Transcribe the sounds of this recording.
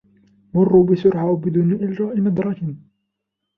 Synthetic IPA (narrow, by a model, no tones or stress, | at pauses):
mʊrːubɪsʊɾʕawbɪd̪uːnʔɪld͡ʒaːʔɪnɑd̪ˤɾˤɑkɪn